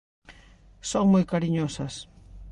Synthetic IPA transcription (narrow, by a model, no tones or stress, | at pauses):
soŋmojkaɾiɲosɐs